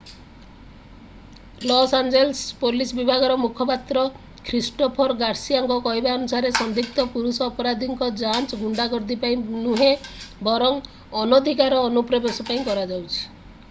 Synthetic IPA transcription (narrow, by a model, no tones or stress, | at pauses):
lɔsand͡ʒelspolisbibʱaɡɔɾɔmukʰɔpat̪ɾɔ | kʰɾisʈɔpʰɔɾɡaɾsiaŋkɔkɔɦibaɔnusaɾesɔnd̪ʱik̚t̪ɔpuɾusɔːpɔɾad̪ʱiŋkɔd͡ʒant͡ʃɔɡuɳɖaɡɔɾd̪ipaĩnuɦebɔɾɔŋ | ɔnod̪ʱikaɾɔːnupɾɔbesɔpaĩkɔɾad͡ʒawt͡ʃʰi̥